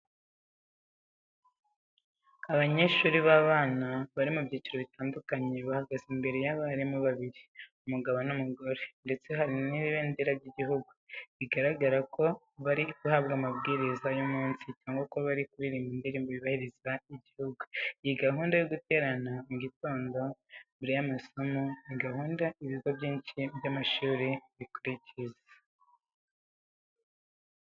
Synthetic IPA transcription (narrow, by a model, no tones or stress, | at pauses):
aβaɲe̞ʃuːɾiβaβaːnaβaɾimubjiːciɾoβitaːndukaɲe̞βahaɡazimbe̞ɾe̞jaβaɾimuβaβiɾiumuɡaβonumuɡo̞ɾe̞nde̞t͡se̞ɦaɾiniiβeːndeɾabɟiɟiɦuɡuβiɡaɾaɡaɾako̞ | βaɾiɡuhaβɡamabɡiːɾizajomuːnsicaːŋɡwakoβaɾikuɾiɾimindiɾimbuβiβahiɾizaiɟihuɡuijiɡaɦuːndajoɡute̞ːɾanaɡitoːndo̞mbuɾijamaso̞moniɡaɦuːndaiβiɡoβjiːnʃibjamaʃuːɾeβikuɾicizḁ